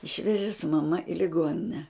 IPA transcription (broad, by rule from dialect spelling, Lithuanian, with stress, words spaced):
ˈɪʃʲʋʲɛʒʲɪ sʊ mɐˈmɐ ɪ lʲɪˈɡoːnʲɪnʲɛ